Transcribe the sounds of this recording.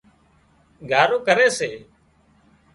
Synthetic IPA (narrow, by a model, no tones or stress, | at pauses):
ɡʱaːɾoːkəɾeːseː